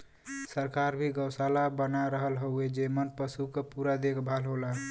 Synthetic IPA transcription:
səɾkaɾbʱiɡəwsalabənaɾəɦəlɦoued͡ʒemənpəsukepuɾad̪ekʰbʱalɦola

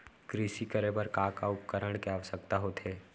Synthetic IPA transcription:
kɾiːʃikəɾebəɾkaːkaʊp̚kəɾəɽ̃keaʋəsəkt̪aɦot̪ʰɦeː

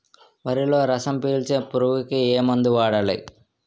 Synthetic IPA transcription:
ʋɐɾilo̞ːɾɐsɐmpiːlt͡ʃeːpuɾuʋukieːmɐnd̪uʋaːɽɐlḭ

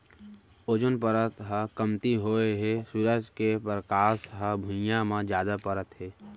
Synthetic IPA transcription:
od͡ʒənpəɾət̪ɦəkəmt̪iɦoːeɦesuɾəd͡ʒkepɾəkaːsɦəbʱʊ̃jãmãd͡ʒjaːd̪apəɾət̪ɦɛː

